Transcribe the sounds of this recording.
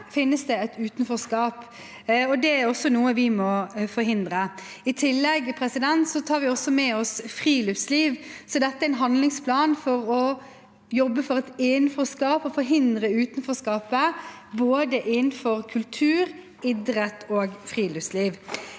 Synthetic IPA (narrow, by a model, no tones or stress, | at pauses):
fɪnːəsd̪ɛɛt̪ʉːt̪n̩fɔskɑːp | ɔd̪ɛæɾɔsːɔnuːəʋɪmɔfɔɾɦɪnd̪ɾə | ɪt̪ʰɪlːɛɡɪpʰɾɛsɪd̪ɛnt̪sɔt̪ʰɑːɾʋɪɔsːɔmɛɔsfɾiːlʉfsliːʋsɔd̪ɛt̪ːəæɾɛnɦɑnd̪lɪŋspʰlɑːnfɔɾɔ | jɔbːəfɔɾɛt̪enfɔskɑːpɔfɔɾɦɪnd̪ɾəʉːt̪n̩fɔskɑːpəboːd̪əʔɪnːfɔɾkʰʉlt̪ʰʉːɾ | ɪd̪ɾət̪ʰoːɡfʁiːlyfsliːʋ